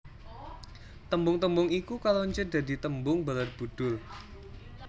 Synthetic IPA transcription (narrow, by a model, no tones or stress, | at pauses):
t̪əmbʊŋt̪əmbʊŋikukaloɲt͡ʃəd̥a̤di̤t̪əmbʊŋbalarb̥ṳd̥ʊl